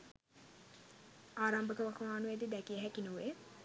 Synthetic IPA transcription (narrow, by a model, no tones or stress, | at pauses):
aːɾambəkəʋakmaːnuʋed̪id̪ækiəɦækinuʋe